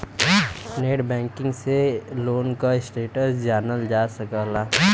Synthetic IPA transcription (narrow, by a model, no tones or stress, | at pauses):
neːʈbɛ̃ːŋkɪ̃ŋɡseloːnkaɪsʈeːʈəsd͡ʒaːnəld͡ʒaːsɐkəlaː